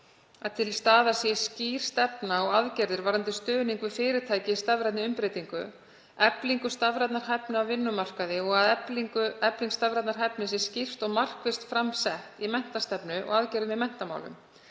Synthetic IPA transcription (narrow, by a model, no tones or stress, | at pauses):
aðt̪ʰɪlst̪aːðasjɛsciːr̥st̪ɛpnaɔɣaðcɛɾðɪɾvaɾant̪ɪst̪œːniŋkvʏfɪːɾɪt̪ʰaːjcɪist̪avɾɛt̪nɪʏmpɾeːjt̪iŋkʏ̰ | ɛpliŋkʏst̪avɾɛt̪naɾ̥ɦɛpnʏawvɪnːʏmar̥kaðɪɔɣaðɛpliŋkʏɛpliŋkst̪avɾɛt̪naɾ̥ɦɛpnɪs̬jɛscir̥t̪ɔɣmar̥kvɪst̪fɾamsɛht̪imɛn̥t̪ast̪ɛpnʏʔɔ̰ɣaðcɛɾðɪmɪðmɛn̥t̪ama̰wlʏ̰m